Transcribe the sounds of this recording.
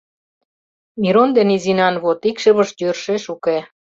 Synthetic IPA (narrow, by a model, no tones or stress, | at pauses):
miɾond̪enizinɑnβot̪ikʃə̆βə̆ʃjørʃeʃuke